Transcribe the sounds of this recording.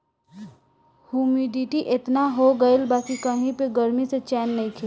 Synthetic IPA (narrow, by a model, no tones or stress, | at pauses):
humiɖiʈiʔet̪naɦoɡəɪlbakikəɦĩpeɡəɾmiset͡ʃɛːnːəĩkʰe